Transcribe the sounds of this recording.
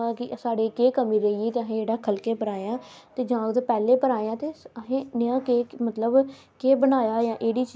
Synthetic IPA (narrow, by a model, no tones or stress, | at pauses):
kɪsaːɽeːkeːkəmĩːɾəiːiːt̪eːəɦẽːeːɽaːkʰəlkeːpəɾaːeãː | t̪eːd͡ʒãːʊd̪eːpɛːleːpəɾaːeãːt̪eːəɦẽːnɪjãːkeːmət̪ləb | keːbənaːjaːjãːʔeːɽiːt͡ʃ